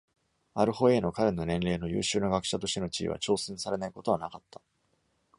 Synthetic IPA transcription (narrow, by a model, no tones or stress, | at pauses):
aɾɯ̟ho̞e̞ːno̞kaɾe̞no̞nẽ̞nɾe̞ːno̞jɯ̟̰ːɕɨːnaɡakɯ̟̥ɕat̪o̞ɕt̪e̞no̞t͡ɕḭːβa̰t͡ɕo̞ːsẽɰ̃saɾe̞naiko̞t̪o̞βanakat̪ʰːḁ